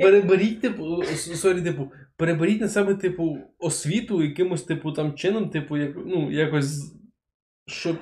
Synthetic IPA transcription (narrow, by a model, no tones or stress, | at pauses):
peɾebeɾʲitʲt̪ɪpʊssɔɾʲit̪ɪpʊ | peɾebeɾʲitʲnɐsɛbɛt̪ɪpʊɔsʲʋʲit̪ʊjɐkɪmʊsʲt̪ɪpʊt̪ɑmt͡ʃɪnɔmt̪ɪpʊjaknujakɔsʲz | ʃt͡ʃɔ